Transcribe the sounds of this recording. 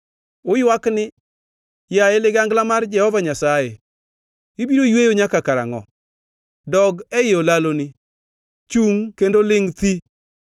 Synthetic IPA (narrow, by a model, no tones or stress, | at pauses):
ʊjwaknɪ | jaelɪɡaŋɡlamard͡ʒɛhɔvaɲasaje | ɪbiɾojwejoɲakakaɾa̰ŋɔ̰ | dɔɡɛɪolalonɪ | t͡ʃuŋkendolɪŋt̪i